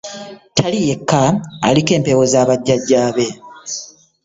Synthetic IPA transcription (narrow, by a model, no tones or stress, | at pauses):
tʰalije̞kːaa̰like̞ːmpe̞wozaːβaɟːaɟːaːβe̞